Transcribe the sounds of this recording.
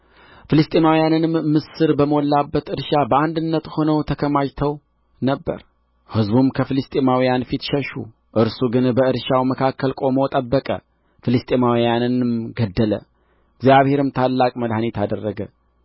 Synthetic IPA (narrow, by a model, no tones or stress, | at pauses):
fɨlɨst̪ʼemawijanɨnmmɨsɨɾbəməwɔlːabːət̪ɨɾʃabəand̪ɨnːət̪ho̞nəwt̪ʰəkʰəmaʒt̪ʰəw | nəbːə̰ɾ | hɨzbumkʰəfɨlɨst̪ʼemawijanfit̪ʃəʃṵ | ʔɨɾsuɡɨnbəɨɾʃawməkʰakʰːəlkʼo̞mot̪ʼəbːəkʼə̰ | fɨlɨst̪ʼemawijanɨnmɡəd̪ːələ̰ | ɡzijaβhe̞ɾɨmt̪ʰalːakʼməd̪hanet̪ʰad̪ərːəɡə